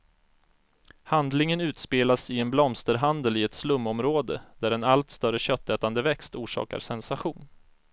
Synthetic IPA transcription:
hand̪lɪŋənʉ̟ːt̪speːlasɪɛnblɔmst̪əɾɦand̪əlɪɛt̪slɵmːɔmɾoːd̪ə̰d̪̥æɾɛnalt̪st̪œɾəɕœt̪ːɛːt̪and̪əvɛkst̪uːʂɑ̰ːka̰ɾsɛnsaɧuːn

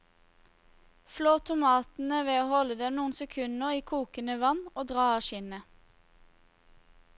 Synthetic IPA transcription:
floːt̪ʰʊmɑːt̪n̩əʋeːoːhɔləd̪ɛmnuːən̩sɛkʰʉnəʁiːkʰuːkənəʋɑnoːd̪ʁɑːɑʃɪnə

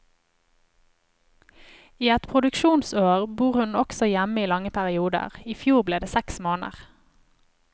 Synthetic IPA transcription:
iːɛt̪pʰʁʊd̪ʉkʃuːnsoːʁbuːʁhʉnɔksɔjæməiːlɑŋəpʰæʁɪuːd̪ə̰ʁiːfjuːʁbleːd̪eːsɛksmoːnə̰ʁ

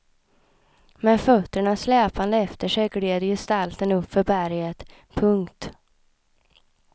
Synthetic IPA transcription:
mɛnfœt̪ːəɳaslɛːpand̪əɛft̪əʂɛɡɽeːd̪əjɪst̪alt̪ənɵpfœɾbæɾjət̪ | pʰɵŋkt̪

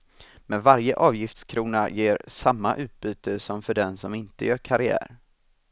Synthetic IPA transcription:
mɛnvaɾjəʔɑːvjɪft̪skʰɾuːnajeːɾsamːaʔʉ̟ːt̪̚byːt̪əsɔmfœɖɛnsɔmɪnt̪əjœːɾkʰaɾɪæ̰ːɾ

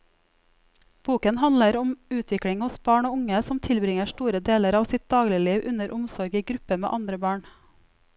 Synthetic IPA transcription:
b̥uːkənhɑnləɾʊmʉːt̪ʰʋɪkɽɪŋhʊsb̥ɑːɳoːʊŋəsɔmt̪ʰɪlbɾɪŋəʃʈuːɾəd̪eːləɾɑːʋsɪt̪̚d̪ɑːɡlɪliːʋʔʉnəɾʔʊmsɔɾɡiːɡɾʉpəmḛːʔɑnd̪ɾəbɑːɳ

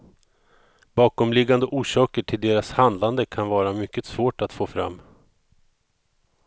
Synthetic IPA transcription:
bɑːkɔmlɪɡːand̪əʔuːʂɑːkəʈʰɪld̪eːɾashand̪land̪əkʰanvɑːɾamʏkːəsvoːʈat̪foːfɾa̰mː

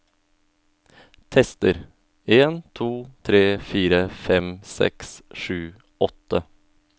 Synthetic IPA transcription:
t̪ʰɛst̪əɾ | eːnt̪ʰuːt̪ʰɾeːfiːɾəfɛmsɛ̰ksʂʉː | ʔɔt̪ə

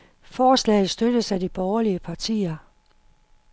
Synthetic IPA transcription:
fɒːslɛ̰ːð̩ˠsd̥ødəsæd̥ib̥ɒːɐliəpʰɑ̈t͡sʰḭːɐ

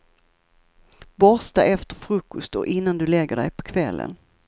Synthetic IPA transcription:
bɔst̪aʔɛft̪əɾfɾɵkːʊst̪ɔʔɪnːand̪ɵlɛɡːəɖɛ̰jpʰɔ̥kʰvɛlːə̰n

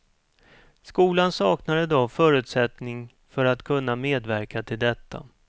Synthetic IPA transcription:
skuːlansɑːknaɾəd̪ɔfœːɾɵ̟ːt̪sɛt̪nɪŋ | fœɾat̪kʰɵnːameːd̪væɾkat̪ʰɪld̪ɛt̪ʰːa̰

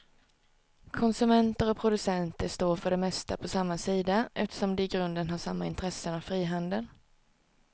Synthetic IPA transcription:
kʰɔnsɵmɛnt̪əɾɔpʰɾʊd̪ɵsɛnt̪əʂt̪oːɾfœɖɛmɛst̪apʰɔsamːasiːd̪aʔɛft̪ə̥ʂɔmd̪ɛɪɡɾɵnd̪ənɦaʂamːaɪnt̪ʰɾɛsːənavfɾiːɦand̪əl

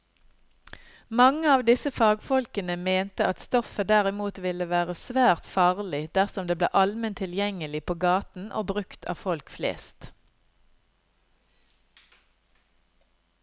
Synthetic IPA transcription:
mɑŋəɑːʋd̪ɪsəfɑːɡfɔlkənəmeːnt̪əʔɑt̪st̪ɔfəd̪æʁɪmuːt̪ʋɪləʋæːʁəsʋæːʁt̪fɑːʁlɪd̪̥æʁsɔmd̪eːblḛːʔɑlmənt̪ʰɪljɛŋəlɪpʰoːɡɑːt̪n̩ʔo̰ːbʁʉkt̪ʰɑ̰ːfɔlkflḛːst̪

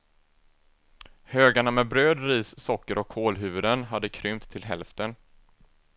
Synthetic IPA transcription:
høːɡaɳamɛbɾøːd̪ɾiːsːɔkːəɾʔɔkʰːoːlɦʉ̟ːvɵd̪ənɦad̪ːəkʰɾʏmt̪ʰːɪlɦɛ̰lft̪ən

